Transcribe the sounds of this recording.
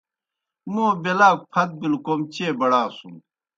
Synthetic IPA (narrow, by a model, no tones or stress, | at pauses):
moːbelaːk̚pʰɐt̪̚bilkomt͡ɕeːbɐɽaːsum